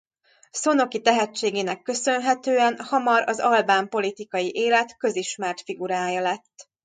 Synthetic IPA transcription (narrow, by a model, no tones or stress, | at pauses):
so̞no̞kit̪ɛɦɛt͡ʃːeːɡeːnɛkːø̞sø̞nɦɛt̪øːɛnhɒmɒɾɒ̰zɒlbaːmpo̞lit̪ikɒjiʔeːlɛt̪kø̞ziʃmɛrt̪fiɡuɾaːjɒlɛt̪ː